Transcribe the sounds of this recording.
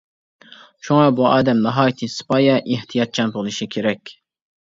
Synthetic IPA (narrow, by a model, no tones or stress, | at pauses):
ʃuŋɑbuʔɑːd̪ɛmnɑɦɑːt̪ʰisɨ̥pɑːjɛʔiht̪ʰijɑt̪̚t͡ʃʰɑnbolˠɨʃikʲʰeɾɛkʲ